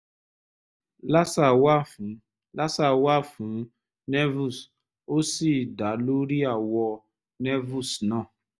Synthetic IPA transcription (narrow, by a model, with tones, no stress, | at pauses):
la˦sa˨wa˦˨ | la˦sa˨wa˦fũ˨˦ | nɛ˦vu˦˨s | o˦si˦˨da˨lu˦ɾi˦a˨wɔ˦ | nɛ˦vu˦˨snɔ̃˦˨